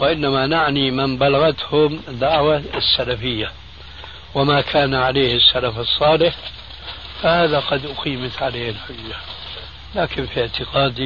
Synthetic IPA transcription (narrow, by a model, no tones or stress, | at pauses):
wɪʔɪnːamanaʕnimɪnbalaɣat̪hʊmd̪ːaʕwasːalafɪjːa | wɪmakʰaːnaʕaleːhɪsːalafɨsˤːɑːlɪħ | fahaːðaqɑd̪ʔʊqiːmat̪ʕaleːɪlħʊjːa | laːkɪnfiʕt̪ɪqɑːd̪i